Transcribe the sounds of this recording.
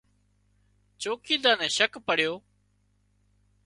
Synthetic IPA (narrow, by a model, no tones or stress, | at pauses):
t͡ʃoːkiːd̪ãːnɛ̃ːʃəkpəɽ̤joː